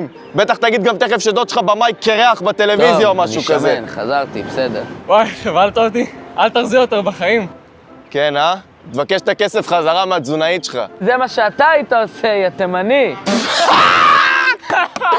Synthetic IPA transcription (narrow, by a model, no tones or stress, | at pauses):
m | be̞t̪aχt̪aɡid̪̚ɡamt̪eχefʃed̪ot̪ʃlχabamajkeʁeaχbat̪e̞le̞vizjaomaʃukazenχa̰zaʁt̪ḭbesed̪eʁwajχevalt̪ovt̪iʔalt̪aʁzijot̪eʁbaχaim | kena | t̪vakeʃt̪ake̞sefχazaʁamead͡zunaiʃe̥lχa̰zemaʃeat̪ait̪aosejat̪emani